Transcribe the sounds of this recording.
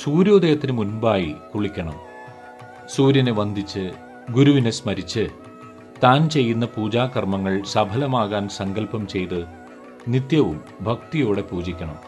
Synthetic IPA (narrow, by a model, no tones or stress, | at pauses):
suːɾjo̞ːd̪ɐjɐt̪ːinɨmunbaːjikuɭikʲːɐɳɐ̰m | suːɾjɐneʋɐnd̪ʱit͡ɕːɨ | ɡuɾuʋine̞smɐɾit͡ɕːɨ | t̪aːnt͡ɕe̞jːunːɐpuːd͡ʑaːkːɐrmɐŋːɐɭsɐbʱɐlɐmaːɣaːnsɐŋɡɐlpɐmt͡ɕe̞jt̪ɨ | nit̪jɐʋṵm | bʱɐk̚t̪ijo̞ːɽe̞puːd͡ʑikʲːɐɳɐ̰m